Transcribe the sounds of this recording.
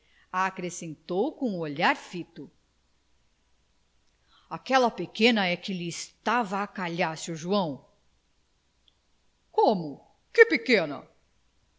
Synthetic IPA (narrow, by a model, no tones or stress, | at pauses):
aːkɾesẽnt̪owkõuoʎaɾfit̪ʊ | akɛlɐpekẽnɐɛkɪlɪːst̪avɐːkaʎasɪʊʒuɐ̃w̃ | kõmʊ | kɪpekẽnɐ̰